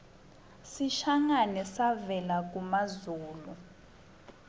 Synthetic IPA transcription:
siʃaŋanɛsavɛlak̬ʼumazuːlu

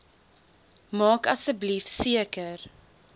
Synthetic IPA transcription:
mɑːkɐsəblifsiəkər

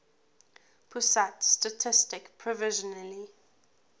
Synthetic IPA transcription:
pʰusatstatʰɪstɪkpʰɹɔvɪʒɔnali

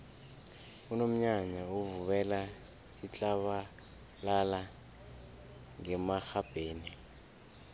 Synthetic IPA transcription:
unom̩ɲaɲauvuβɛla | it͡ɬʼaβa | lala | ŋɛmaxab̥ʱeːni

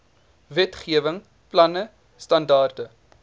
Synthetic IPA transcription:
vɛtχiəvəŋ | plɐnə | stɐndɑːrdə

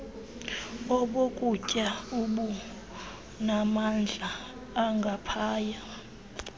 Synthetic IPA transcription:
ɔɓokʼucʼauɓu | namand͡ɮʱaː | ŋɡʱapʰaːja

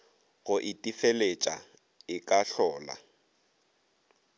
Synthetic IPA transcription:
ɣʊʔɪtʼifelet͡ʃʼa | ɪkʼaɬɔːla̰

